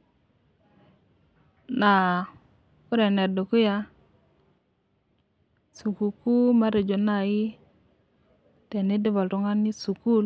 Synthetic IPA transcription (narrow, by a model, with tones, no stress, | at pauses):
na˨ | u˦ɾe˨ne˨do˨ku˦ja˦ | su˨ku˨ku˦ma˦ɾe˨d͡ʒo˨na˦˨ji˦ | te˨ni˦di˦bo˨ltu˦ŋa˦nːi˦su˨ku˦l